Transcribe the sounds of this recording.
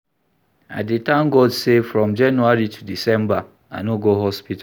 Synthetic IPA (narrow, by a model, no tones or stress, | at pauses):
a̰detãʊ̃mɡɔdsefɹɔ̃md͡ʒãnuaɹitʰudisɛ̃mba | a̰noɡoɦɔspita